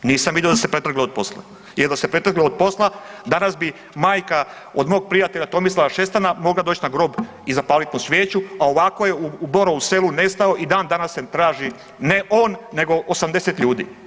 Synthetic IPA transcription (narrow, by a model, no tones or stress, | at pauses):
niːsamʋid̪eo̞d̪ase̞pɾet̪ɾr̩ɡleod̪̚po̞slˠa̰ | jeɾd̪asepɾe̞t̪rɡlood̪̚po̞slˠad̪anasbi | maːjka | od̪mo̞ːɡ̚pɾijat̪e̞ʎat̪o̞mislalaʃe̞st̪anamo̞ɡlad̪oːt͡ɕnaɡɾo̞ːb | izapaːlit̪musʋjeːt͡ɕuao̞ʋako̞je̞uubo̞ɾouse̞lune̞st̪ao̞ʔid̪aːnd̪anaset̪ɾaːʒi | ne̞ʔoːnːe̞ɡo̞ʔosamd̪eset̪ʎuːd̪ḭ